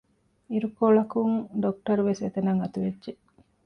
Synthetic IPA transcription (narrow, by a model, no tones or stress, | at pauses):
iɾukoɭɐkuŋɖok̚ʈɐɾuʋeset̪enɐŋɐt̪uʋedːʒe